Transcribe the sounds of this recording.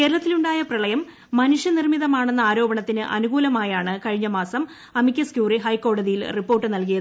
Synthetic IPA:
ke̞ːɾɐɭɐt̪ːiluɳɖaːjɐprɐɭɐjɐmː | ɐnuʂjɐnirmiðɐmaːɳenːɐaːɾo̞ːbɐɳɐt̪ːinɨʔɐ̰nuɣuːlɐmaːjaːɳɨkɐɻiɲːɐmaːsɐm | ɐmikʲːɐskjuːriɦɐjko̞ːɽɐðijilripːo̞ːrʈːɨnɐlkijɐð

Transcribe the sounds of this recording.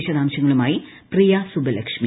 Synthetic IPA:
ɕɐd̪aːmɕɐŋːɐɭumaːjiprijɐsubɐlɐkʂmi

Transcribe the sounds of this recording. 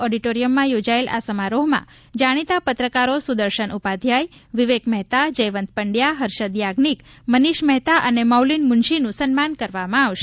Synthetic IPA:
ɔɖiʈoɾijəmːãjod͡ʒaelʔa̰səmaɾoɦmã̰ | d͡ʒaɽ̃it̪apət̪ɾəkaɾosud̪əɾʃəɳʔupad̪ʱjajʋiʋekmɛɦt̪ad͡ʒəjʋənt̪̚pəɳɖjaɦəɾʃəd̪jaɡnik | məniʃmɛɦt̪aʔənemawlinmʊnʃinũsənmankəɾʋamãaʋʃe

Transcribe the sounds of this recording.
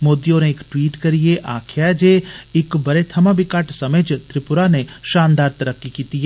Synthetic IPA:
moːd̪ijõneɪkʈwiːʈkɐɾijeʔaːkʰjad͡ʒeːɪkbɐɾet̪ʰɐmãbɪkaʈsɐməd͡ʒt̪ɾɪpʊɾaneʃãːnd̪aːɾt̪ɐɾəkːikiːt̪iɦɛ

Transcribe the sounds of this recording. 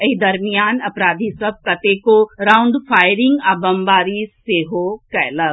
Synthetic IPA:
eid̪ɐɾmijaːnɐpɾaːd̪ʱisɐb̚kɐt̪ekoɾaːʊ̃ɳɖfʰaːɪɾɪ̃ŋɡaːbɐmbaːɾiseːɦokɛːləɡ

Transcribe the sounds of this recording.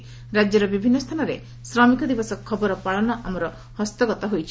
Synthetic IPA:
ɾad͡ʒjɔɾɔbibʱinːɔst̪ʰanɔɾḛ | sɾɔmikɔd̪ibɔsɔkʰɔbɔɾɔpaɭɔnɔʔamɔɾɔ | hɔst̪ɔɡɔt̪ɔɦojt͡ʃʰi

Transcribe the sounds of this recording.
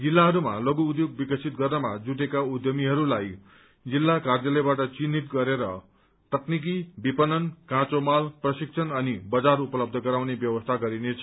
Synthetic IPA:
d͡zilːaɦʌɾumaloɡuud̪joɡ̚bikʌsʰit̪̚ɡʌrnʌmad͡zuʈ̬ekaud̪jʌmiɦʌɾulaj | d͡zilːakard͡zʌlʌbaʈʌt͡sinit̪ɡʌɾeɾʌ | t̪ʌknik̬ibipʌnʌnkãt͡somalprʌsik̚t͡sʰʌnʌnibʌd͡zarupʌlʌb̚d̪ʱʌɡʌɾawnebjʌwʌst̪ʰaɡʌɾinet͡sʰʌ̥

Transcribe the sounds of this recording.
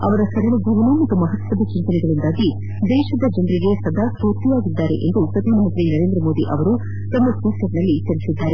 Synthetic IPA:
ɐʋɐɾɐsɐɾɐluɡuʋɐnumɐt̪ːumɐɦɐt̪ʋɐd̪ɐt͡ʃint̪ɐnɛɡɐɭind̪aːɡi | d̪ɛːʃɐd̪ɐd͡ʒɐnɾiɡe̞sɐd̪ʱaːkɾut̪iʋaːɡid̪ːaːɾḛʔḛnd̪upɾɐd̪ʱiːmɐɦɐnt̪ɾinɐɾe̞ːnd̪ɾɐmoːd̪iʔɐʋɐɾu | t̪ɐmːɐsiːsɐɾɐnɐlːit͡ʃɐlisid̪ːaːɾe

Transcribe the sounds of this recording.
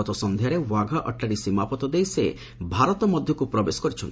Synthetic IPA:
ɔt̪ɔsɔnd̪ʱjaɾewaɡʱaʔə̰ʈːaɽisimapɔt̪ɔd̪ejse | bʱaɾɔt̪ɔmɔd̪ʱjɔkupɾɔbesɔ̥kɔɾit͡ʃʰɔnt̪

